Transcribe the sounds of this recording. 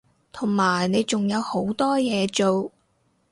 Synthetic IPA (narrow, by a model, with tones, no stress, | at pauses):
t̪ʰʊ˨˩ŋmaː˨˩jne˨˧jt͡sʊ˨ŋjɐ˨˧who˨˥wt̪ɔː˥jɛː˨˧t͡ʃo˨w